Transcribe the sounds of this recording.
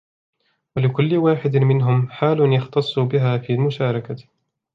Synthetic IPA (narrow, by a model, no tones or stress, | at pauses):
walɪkʊlːɪwaːħɪd̪mɪnɦʊmħaːlʊnjɑxt̪ɑsˤːubɪɦaːfiːlmʊʃaːɾˤɑka